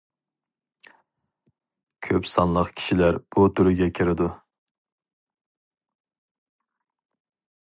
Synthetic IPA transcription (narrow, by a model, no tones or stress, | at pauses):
kʲʰøpsɑnlˠəqkʲʰi̥ʃilæɾb̥ut̪ʰyɾɪɡʲɛkʲʰiɾɪd̪u